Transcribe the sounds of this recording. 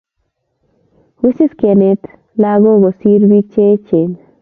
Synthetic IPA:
wi˦si˦ske˨ne˨t̪ | la˦ɡo˦ɡo˨si˦ɾbi˦t͡ʃe˦t͡ʃe˨n

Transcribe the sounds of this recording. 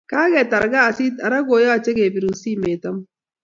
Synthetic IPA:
kaː˦ɡɛ˨ta˨ɾɡa˦˨si˦ta˨ɾa˦ɡo˨˦jɔ˦a˨t͡ʃe˦ɡe˨bi˨ɾu˨nsi˦me˨ta˦m

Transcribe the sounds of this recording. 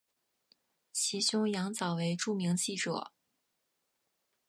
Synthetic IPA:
t͡ɕʰi˧˥ɕʊ˥ŋjɑ˧˥ŋt͡sɑ˨˩ʊwe˧˥ɪʈ͡ʂu˥˩mi˧˥ŋt͡ɕi˥˩ʈ͡ʂɤ̰˨˩˦

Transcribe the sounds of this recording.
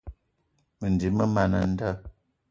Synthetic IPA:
mə˨n˨di˨˦mə˦ma˨nə̰˨n̩˦də˦

